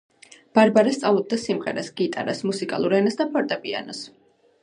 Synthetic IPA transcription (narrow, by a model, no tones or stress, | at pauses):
b̥aɾbaɾɛst̪sʼalˠud̪̚d̪asimʁɛ̰ɾasɡit̪ʼa̰ɾasmusikʼa̰lˠuɾɛnasd̪apʰɔɾt̪ʼapʼia̰nɔs